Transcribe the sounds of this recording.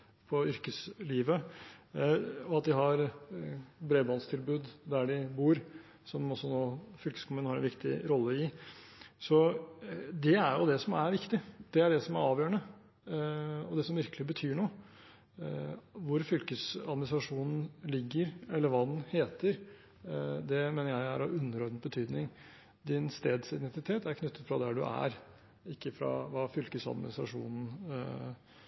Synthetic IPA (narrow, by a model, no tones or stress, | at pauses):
pʰɔʏɾkəsliːʋə | ɔɑt̪̚d̪ɪɦɑɾ | bɾeːbɑːnst̪ʰɪlbʉːd̪d̪æɖɪbuːɾ | sɔmɔsːɔnoːfʏlkəskʰɔmʉːnhɑɾɛ̰nʋɪkt̪ɪ̰ɾɔlːəɪ | sɔ | d̪ɛæɾjʊd̪ɛsɔmæɾʋɪkt̪ɪd̪̥ɛæɖɛsɔmæɾɑːʋjøːɾəɳə | ɔd̪ɛsɔmʋɪɾkəlɪbət̪ʰyːɳoː | ʋʊɾfʏlkəsɑ̰d̪mɪnɪsɾɑʂuːnn̩lɪɡːəɾɛlːəɾʋɑːd̪nheːt̪əɾ | d̪ɛmeːnəɾjæɪæɾɑʋʉnːəɾɔɾnbət̪ʰyːd̪nɪŋ | d̪ɪnst̪eːd̪sɪd̪ɛnt̪ɪt̪ʰeːt̪æɾkʰnʉt̪ːət̪fɾɑd̪æɖʉ̰ʔæ̰ɾ | ɪkːəfɾɑ̰ʋɑːfʏlkəsɑ̰d̪mɪ̰nɪst̪ɾɑ̰ʂṵːnn̩